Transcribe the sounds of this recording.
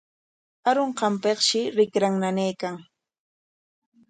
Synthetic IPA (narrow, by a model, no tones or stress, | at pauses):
aɾoɴqɑmpeχʃɪɾɪkɾaŋnanejkaŋ